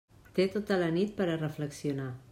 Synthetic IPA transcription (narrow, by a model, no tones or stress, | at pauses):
t̪et̪ot̪ələnit̪̚pəɾərəfləksiuna